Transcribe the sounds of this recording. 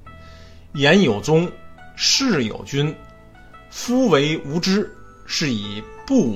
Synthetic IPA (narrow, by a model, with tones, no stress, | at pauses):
jɛ˧˥njo˨˩ʊt͡sʊ˥ŋʂɻ̩˥˩jo̰˨˩ʊt͡ɕy˥n | fu˥we˧˥ɪu˧˥ʈ͡ʂɻ̩˥ | ʂɻ̩˥˩i˨˩pu˥˩